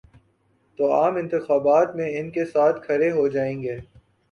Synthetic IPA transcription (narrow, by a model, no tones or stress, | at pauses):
t̪oːaːmɪ̃nt̪ɪxaːbaːt̪mẽɪnkesaːt̪ʰkʰɐɾeɦod͡ʒaːẽːŋɡeː